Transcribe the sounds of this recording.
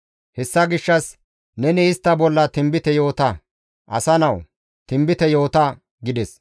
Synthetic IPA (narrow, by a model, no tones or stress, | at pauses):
hɛsːɐɡɪʃːɐs | nɛnɪːst̪ːɐbɔlːɐt̪ɪmbɪt̪ɛjo̞ːt̪ɐ | ʔɐsɐnɐw | t̪ɪmbɪt̪ɛjo̞ːt̪ɐ | ɡɪd̪ɛs